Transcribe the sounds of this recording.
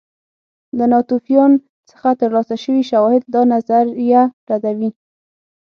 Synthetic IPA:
d̪ənɑt̪ufjɑn | sə̥xat̪əɾlɑsaʃəwiʃawɑhɪd̪̚ːɑnazaɾjaɾad̪awi

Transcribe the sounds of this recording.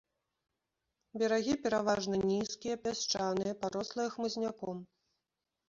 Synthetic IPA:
bʲɛɾaɣʲipʲɛɾavaʐnɐnʲiskʲijɐpʲast͡ʂanɨjɐpaɾɔslˠɨjɛxmɨzʲnʲakɔm

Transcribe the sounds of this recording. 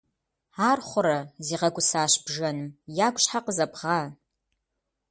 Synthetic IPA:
aːrχʷʊɾɐziːʁɐkʷʼʊsaːɕbʒɐnɨmjaːkʷʼɕħaqəzɐpʰʁaː

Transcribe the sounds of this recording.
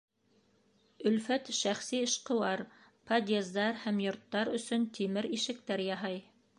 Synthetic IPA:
ɵ̆lfæt̪ʃæχsiɤ̆ʃqɤ̆wɑɾ | pʰɐd̪ʲezd̪ɑɾhæmjŏɾt̪ːɑɾɵ̆sɵnt̪ʰimɘɾiʃɘ̆k̚t̪æɾjɑɦɑj

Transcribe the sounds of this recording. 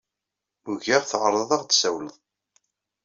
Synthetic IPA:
uʝæʁθəʁɾˤəðˤɑʁd̪sæwləðˤ

